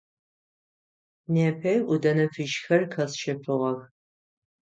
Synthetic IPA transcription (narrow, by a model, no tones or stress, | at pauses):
nepʰɐjʔʷʊdɐnɐfɨʃxɐrkʰɐsʃɐfʰɨʁɐr